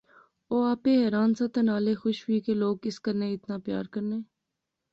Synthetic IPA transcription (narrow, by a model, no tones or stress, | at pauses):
oːaːpeɦɛːɾaːnsat̪ɐnaːlexʊʃwiːkeloːɡɪskəɾneɪt̪naːpja̰ːɾkəɾneː